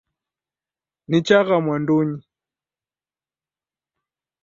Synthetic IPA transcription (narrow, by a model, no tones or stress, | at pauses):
nit͡ʃaɣamwanduɲi